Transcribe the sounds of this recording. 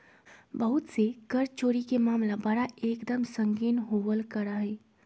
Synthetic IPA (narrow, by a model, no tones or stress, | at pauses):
bɐɦʊt̪sekɐɾt͡ʃoːɾikemaːmlabɐɽaeːkd̪əmsə̃ŋɡiːnɦoːʋəlkəɾaɦɛː